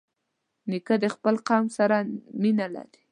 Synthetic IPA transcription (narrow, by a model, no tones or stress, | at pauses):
nikəd̪əxpəlqɑmsaɾaminala̰ɾi